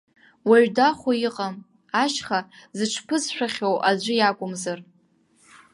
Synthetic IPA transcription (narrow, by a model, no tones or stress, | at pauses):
waɥdaχʷojiqʼam | aʃχazɨʈ͡ʂʷʰpʰɨzʃʷᶣaχʲowʔad͡ʒʷʊjakʷʼʊmzar